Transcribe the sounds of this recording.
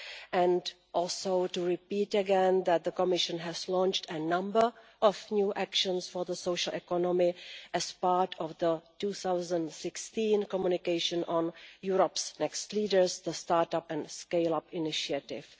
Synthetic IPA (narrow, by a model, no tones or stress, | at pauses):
ʔɛ̃nd | ʔɔlsotuɹɪpiːtəɡɛ̃nðæt̪̚ðəkɔmɪʃə̃nɦɛzlɔ̃nt͡ʃtənãmbə˞ʔɔfnjuːʔækʃə̃nsfɔɹðəsoʊʃəl̩ʔɛkɔnɔmɪʔɛspaːɹtʰɔfðətuːθawzə̃ntsɪkstĩnkɔmjunɪkeɪʃə̃nɔ̃njuɹɔpsnɛkstliːdəɹsðəstaːɹtapɛ̃nskeɪlapɪnɪʃiatɪ̰f